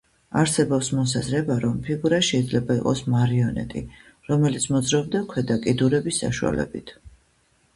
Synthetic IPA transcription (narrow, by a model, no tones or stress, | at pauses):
aɾsɛbɔpsmɔs̬azɾɛbaɾɔmpʰiɡuɾaʃɛid̪zlɛbaiqʼɔsmaɾiɔnɛ̰t̪ʼi | ɾɔmɛlit̪sʰmɔd̪zɾaɔbd̪akʰwɛd̪akʼid̪uɾɛbisːa̰ʃua̰lɛ̰bit̪ʰ